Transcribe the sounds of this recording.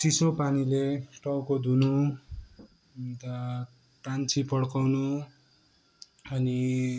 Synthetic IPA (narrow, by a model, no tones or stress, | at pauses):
sisopanileʈʌwkod̪unu | t̪ʌ | ʈant͡sʰipʌɽkawnu | ʌni